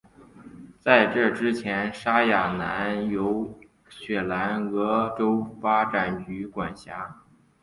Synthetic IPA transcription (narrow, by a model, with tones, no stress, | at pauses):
t͡sa˥˧ɪʈ͡ʂɤ˥˩ʈ͡ʂɻ̩˥t͡ɕʰjɛ˧˥nʂa˥ja˨˩na̰˧˥njo˧˥ʊ | ɕɥɛ˨˩la˧˥nɤ˧˥ʈ͡ʂo˥ʊfa˥ʈ͡ʂa˨˩nt͡ɕy˧˥kwa˨˩nɕja˧˥